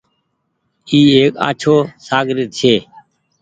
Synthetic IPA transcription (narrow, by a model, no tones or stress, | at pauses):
iːeːka̰ːt͡ʃʰoːsaːɡɾɪt̪̚t͡ʃʰeː